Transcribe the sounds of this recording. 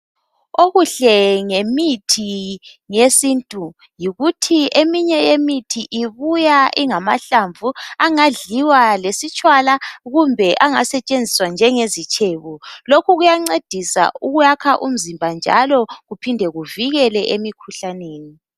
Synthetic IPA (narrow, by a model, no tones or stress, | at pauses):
oɣuɬɛŋemitʰi | ŋesintʼu | jiɣutʰiemiɲɛjemitʰiʔiβujaʔiŋamaɬaɱvʱuaŋaɮiwalesit͡ʃʼwalaɣumbʱɛʔaŋasɛt͡ʃʼend͡zʱiswand͡ʒʱɛŋezit͡ʃʰʼeːβulokʰuɣujaŋ͡ǀed̥ʱisa̰uɣujakʰaʔum̩zimbʱand͡ʒʱa̰lɔɣupʰindʱɛɣuviɣɛlɛʔemikʰuɬaneːni